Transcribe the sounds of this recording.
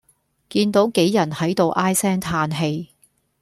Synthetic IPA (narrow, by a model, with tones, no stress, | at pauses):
kiː˧nt̪o˨˥wke˨˥jːɐ˨˩nhɐ˨˥jt̪o˨˧wʔaː˥jsɛː˥ŋt̪ʰaː˧nɦe˧j